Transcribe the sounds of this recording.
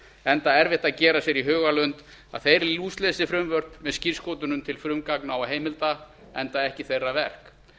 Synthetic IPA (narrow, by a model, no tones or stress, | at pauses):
ɛnt̪aɛɾvɪht̪aðcɛːɾasjɛɾiɦœːɣalœnt̪ | a̰ðθejɾluːst̪lɛːsɪfɾʏmvœr̥pmɛðscirskoːwt̪ʏnʏmt̪ʰɪlfɾʏmkaknawaɦeːjmɪlt̪a | ɛnt̪aðɛhcɪθejrːavɛr̥k